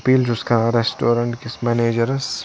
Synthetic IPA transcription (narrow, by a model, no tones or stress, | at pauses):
piːld͡ʒʊskãɾesʈoːɾɐ̃ɳʈkɪsmɛːneːd͡ʒəɾs